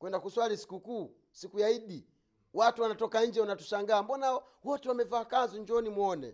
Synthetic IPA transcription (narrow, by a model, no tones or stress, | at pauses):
kwɛndakuswalisi̥kukuː | sikujaiɗi | watuwanatɔkaɲ̩d͡ʒɛunatu̥ʃaŋɡaːmbɔna | wɔtɛwamɛvaːkanzuɲd͡ʒɔnimwɔnɛ̰